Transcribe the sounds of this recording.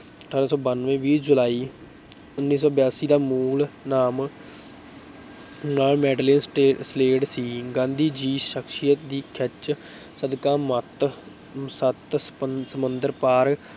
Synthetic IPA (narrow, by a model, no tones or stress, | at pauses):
əʈʰaːɾaːsɔːbənʋẽːʋiːd͡ʒʊlaːiː | ʊnːiːsɔːbjaːsiːd̪aːmuːlnaːm | naːmɛːɖleːnsʈːsleːɖsiːɡãːnd̪iːd͡ʒiːʃəkʃijət̪d̪iːkʰət͡ʃ | səd̪kaːmət̪ | sət̪səmənd̪əɾpaːɾ